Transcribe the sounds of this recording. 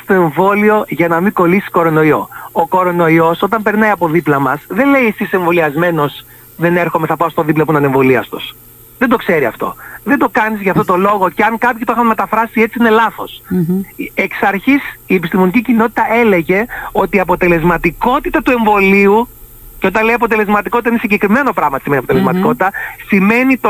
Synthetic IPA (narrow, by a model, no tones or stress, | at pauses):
st̪o̞e̞ɱvo̞lio̞ʝɐnɐmiko̞lisi̥ko̞ɾo̞no̞io̞̰oko̞ɾo̞no̞io̞so̞t̪̬ɐmpe̞ɾnɐiɐpo̞ðiplɐmɐsðe̞le̞iesise̞ɱvo̞liɐzme̞no̞s | ðe̞neɾxo̞meθɐpɐost̪oðiplɐp̬uinɐne̞ɱvo̞liɐst̪o̰s | ðend̪o̞kse̞ɾiɐ̰ft̪o̞̰ðend̪o̞kɐnizʝɐft̪ot̪o̞lo̞ɣo̞ceɐŋkɐpçit̪oxɐnme̞t̪ɐfɾɐsie̞t͡siine̞lɐθo̞s | eksɐɾçisie̞pist̪imo̞nicicino̞t̪i̥t̪ɐe̞le̞ʝe̞o̞t̪iːɐpo̞t̪e̞le̞zmɐt̪iko̞t̪it̪ɐt̪ue̞ɱvo̞liu | ceot̪ɐnleiɐp̬o̞t̪̬e̞le̞zmɐt̪iko̞t̪it̪ɐinesiɲɟe̞kɾime̞no̞pɾɐɣmɐt̪simeniɐpot̪elezmɐt̪iko̞t̪it̪ɐsime̞nit̪o